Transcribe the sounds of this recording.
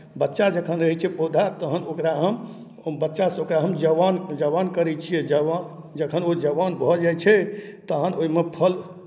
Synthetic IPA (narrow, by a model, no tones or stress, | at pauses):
bətːʃad͡ʒəkʰənɾəɦɛt͡ʃʰɛpod̪ʱat̪əɦənokɾaɦəm | bətːʃasokɾaɦəmd͡ʒəʋand͡ʒəʋankəɾɛt͡ʃʰijɛd͡ʒəan | d͡ʒəkʰənod͡ʒəʋanbʱɔd͡ʒajt͡ʃʰɛt̪əɦənoimepʰəl